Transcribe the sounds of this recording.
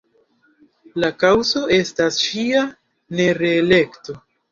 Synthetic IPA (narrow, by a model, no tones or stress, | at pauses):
lakawzo̞ʔe̞stasʃia | ne̞ɾeːle̞kto̞